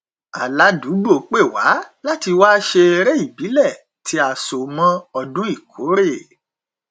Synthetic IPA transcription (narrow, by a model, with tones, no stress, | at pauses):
a˨la˨˦du˨˦ɡ͡bo˦˨k͡pe˦˨wa˨˦la˦ti˧waː˦ʃe˧ɾe˦i˦˨bi˨˦lɛ˦˨ | tʰi˧˦a˨so˨mã˧ɔ˧dũ˦i˦˨kʰo˨˦ɾe˦˨